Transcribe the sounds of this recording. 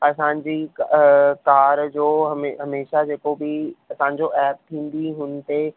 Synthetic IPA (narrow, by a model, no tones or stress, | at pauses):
ɐsãɲd͡ʑikkaːɾd͡ʑoːɦɐmeɦɐmeːʃad͡ʒeːkobiɐsãːɲd͡ʑoʔɛːp̚t̪ʰĩːnd̪iɦʊnt̪e